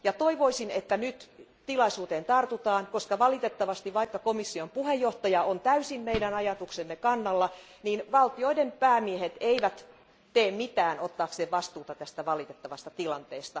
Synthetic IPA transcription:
jɑt̪oiʋoisinet̪ːænyt̪t̪ilɑisuːt̪eːnt̪ɑrt̪ut̪ɑːnkoskɑʋɑlit̪et̪ːɑʋɑst̪iʋɑikːɑkomisːiompuhejːoht̪ɑjɑont̪æysimmeidænɑjɑt̪uksemːekɑnːɑlːɑ | niːnʋɑlt̪ioidempæːmiehet̪eiʋæt̪ | t̪eːmmit̪æːnot̪ːɑːkseːʋʋɑst̪uːt̪ɑt̪æst̪æʋɑlit̪et̪ːɑʋɑst̪ɑt̪ilɑnt̪eːst̪ɑ

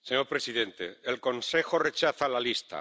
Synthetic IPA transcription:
seɲo̞ɾpɾe̞siðe̞nt̪ḛelko̞nse̞xo̞ret͡ʃaθalalist̪a̰

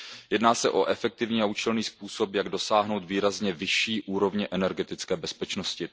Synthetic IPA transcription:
jɛdnaːsɛʔo̞ʔɛfɛk̚t̪ɪvɲiaut͡ʃɛlniːspuːso̞pjaɡdo̞saːɦno̞wt̪viːɾazɲɛvɪʃiːʔuːɾo̞vɲɛʔɛnɛɾɡɛt̪ɪt͡skɛːbɛspɛt͡ʃno̞scɪ

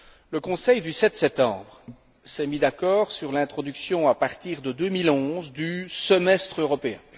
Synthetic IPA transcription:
ləkɔ̃sɛjd̪ysɛt̪sɛp̚t̪ɑ̰̃ːbʁ | sɛmid̪akɔːʁsyʁlɛ̃t̪χɔd̪yksjɔ̃apaʁt̪iːʁd̪əd̪ømilɔ̃zd̪ysəmɛst̪χøʁɔpeɛ̰̃

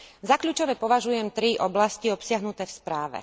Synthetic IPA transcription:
zakʎuːt͡ʃɔʋɛpɔʋaʒujɛmt̪ɾiʔɔblasciɔpsɪaɦnut̪ɛːfspɾaːʋɛ̰

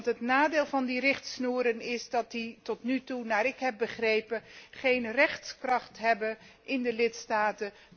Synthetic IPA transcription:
tɦətnaːdeːlˠvɑndirɪχtsnuːɾənɪsdɑt̚ditɔtnytunaːɾɪkɦɛp̚bəχrejpəχejnrɛχtskrɑχtɦɛbə | ʔɪndəlɪtstaːtə

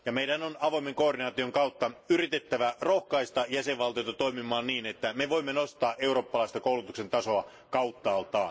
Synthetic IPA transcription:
jɑmeiɾænonɑʋoimeŋkoːrdinɑːt̪ioŋkɑut̪ːɑyrit̪et̪ːæʋærohkɑist̪ɑjæseʋʋɑlt̪ijot̪ɑt̪oimimˑɑːnniːnet̪ːæmeʋoimːenost̪ɑːʔeuro̞ːpːɑlɑist̪ɑkoulut̪ukse̞nt̪ɑso̞ɑ | kɑut̪ːɑːlt̪ɑː

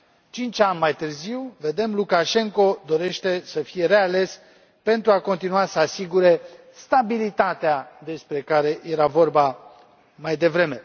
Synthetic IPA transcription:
t͡ʃint͡ʃanʲmajt̪ɨrziwve̞d̪e̞mlukaʃe̞ŋko̞d̪o̞ɾe̞ʃt̪e̞səfije̞ɾe̞ale̞s | pe̞nt̪ɾuako̞nt̪inuasəasiɡuɾe̞ | st̪abilit̪at̪ead̪e̞spɾe̞kaɾe̞je̞ɾavo̞rba | majd̪e̞vɾe̞me̞

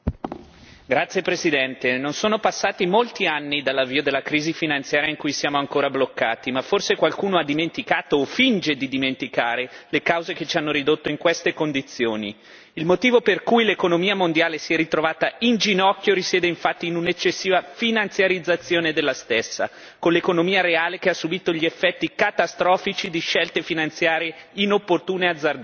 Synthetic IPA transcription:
ɡɾat̪sːjepɾezid̪ɛnt̪enonsoːnopasːaːt̪imolt̪ianːid̪alːavːiːod̪elːakɾiːzifinant̪sjaːɾjaiŋkujsjaːmoaŋkoːɾablokːaːt̪imaforsekwalkuːnoad̪ːiment̪ikaːt̪oːfind͡ʒed̪id̪iment̪ikaːɾelekawzeket͡ʃianːoɾid̪ot̪ːoiŋkwest̪ekond̪it̪sjoːni | ilmot̪iːvoperkujlekonomiːamond̪jaːlesiɛrit̪ɾovaːt̪aind͡ʒinɔkːjoɾisjɛːd̪eiɱfat̪ːiːnunet͡ʃːesːiːvafinant̪sjaɾid̪zːat̪sːjoːned̪elːast̪esːa̰ | konlekonomiːaɾeaːlekeasːubiːt̪oʎiefːɛt̪ːikat̪ast̪ɾɔːfit͡ʃid̪iʃɛlt̪efinant̪sjaːɾjeinopːort̪uːnead̪zːard̪

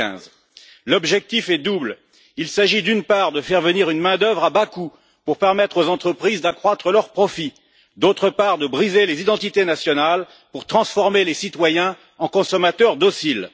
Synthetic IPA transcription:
ɛ̰̃z | lɔbʒɛk̚t̪ifɛd̪ubl | ilsaʒid̪ynpaʁd̪əfɛʁvəniʁynmɛ̃d̪œvʁabaku | puʁpɛʁmɛt̪χozɑ̃t̪χəpχizd̪akχwat̪χəlœʁpχɔfi | d̪ot̪χəpaʁd̪əbʁizelezid̪ɑ̃t̪it̪enasjɔnal | puʁt̪χɑ̃sfɔʁmelesit̪wajɛ̃ | ɑ̃kɔ̃sɔmat̪œʁd̪ɔsil

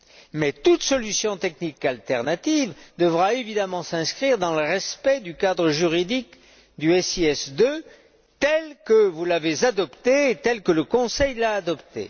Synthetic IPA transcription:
mɛt̪ut̪sɔlysjɔ̃t̪ɛknikalt̪ɛʁnat̪ivd̪əvʁaevid̪amɑ̃sɛ̃skχiʁd̪ɑ̃ləʁɛspɛd̪ykad̪ʁəʒyʁid̪ik | d̪yɛsiɛsd̪ø | t̪ɛlkəvulavezad̪ɔpt̪eːt̪ɛlkələkɔ̃sɛjlaːd̪ɔpt̪ḛ

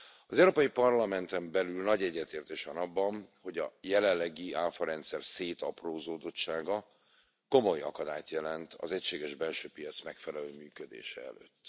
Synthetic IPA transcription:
ɒzɛuɾoːpɒjipɒrlɒmɛnt̪ɛmbɛlylnɒɟɛɟːɛt̪eːrt̪eːʃʋɒnɒbːɒnho̞ɟɒ̰jɛlɛlːɛɡiaːfɒɾɛnt̪sɛrseːt̪ɒproːzoːd̪o̞t͡ʃt͡ʃːaːɡɒ | ko̞mo̞jɒ̰kɒd̪a̰ːjt̪jɛlɛnt̪ʰɒ̰zɛcʃeːɡɛʒbɛlʃøːpijɒt̪smɛkfɛlɛløːmyːkød̪ḛːʃɛ̰ɛ̰lø̰ːt̪ː

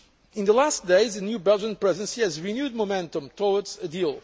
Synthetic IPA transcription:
ɪ̃nðəlastd̥̪eɪzɨnjubɛlˠd͡ʒə̃npɹɛzɨ̃nsiɨzɹinjud̚momɛ̃ntə̃mtʰɔətsɨdilˠ

